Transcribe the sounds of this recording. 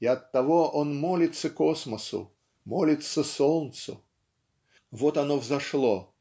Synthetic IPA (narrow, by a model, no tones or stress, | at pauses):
ɪɐt̪ːɐvoʔonmolʲɪt̪səkosməsʊ̰ | molʲɪt̪səsolˠnt̪sʊ̰ | vot̪ɐnovzɐʂlˠo